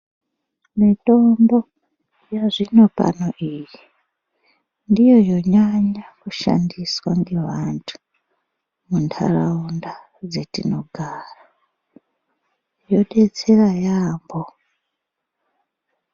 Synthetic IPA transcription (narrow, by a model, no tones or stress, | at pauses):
mito̞mbo | jaʐino̞pa̰noʔiːji | ndijo̞jo̞ɲaɲakuʃa̰ndiswaŋɡeʋantʰu̥ | muntʰa̰ra̰unda | d͡zetino̞ɡʱaːra | jo̞ɗe̞t͡se̞rajaːmbo